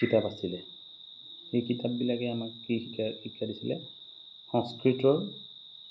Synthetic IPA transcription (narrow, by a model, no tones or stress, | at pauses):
kitapasilɛ | xejkitʰap̚bilakɛamakkiikahikːadisilɛ̰ | hɔ̃skɹitɔɹ